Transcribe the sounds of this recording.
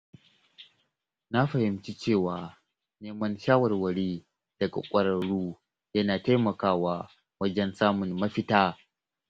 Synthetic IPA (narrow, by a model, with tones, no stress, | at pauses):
na˦ɸɐ˨hɪ˨mt͡ʃi˦t͡ʃeː˦˨waː˨ | neː˦mɐ˦nʃaː˦wɐ˨rwɐ˨ɽiː˦ | d̥ɐ˨ɡa̰˨kʷʼɐ˨ɾɐ˨ɽuː˦ | jɐ˦naː˨ta˦jmɐ˨kaː˦waː˦ | wɐ˦d͡ʒɛ˦nsaː˦mʊ˨nmɐ˦ɸɪ˦taː˦